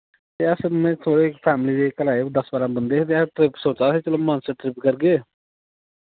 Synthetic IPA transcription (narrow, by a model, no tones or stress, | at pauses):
t̪eːəsmɛ̃ːt̪ʰoːɽeːkpʰɛːmliːd̪eːkəlaːeːd̪əsbaːlãːbənd̪eːt̪eːʈɾɪpsoːt͡ʃaːseːt͡ʃəloːmãːnsəʈʈɾɪpkəɾɡeː